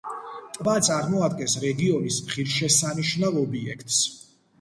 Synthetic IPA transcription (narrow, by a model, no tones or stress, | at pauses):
t̪ʼvat̪sʼaɾmɔad̪ɡɛnsɾɛɡiɔnismʁiɾʃɛsaniʃnavɔbiɛ̰kʰt̪ʼs